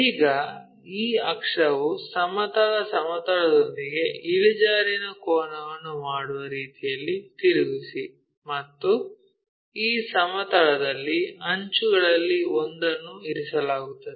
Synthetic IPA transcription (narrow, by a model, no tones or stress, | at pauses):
iːɡɐ | iːɐkʂɐʋusɐmɐt̪ɐɭɐsɐmɐt̪ɐɭɐd̪o̞nd̪iɡe̞iɭid͡ʒaːɾinɐkɔːnɐʋɐnːumaːɽuʋɐɾiːt̪ijɐlːit̪iɾuɡisi | mɐt̪ːu | iːsɐmɐt̪ɐɭɐd̪ɐlːiɐɲt͡ʃuɡɐɭɐlːiond̪ɐnːuiɾisɐlaːɡut̪ːɐd̪e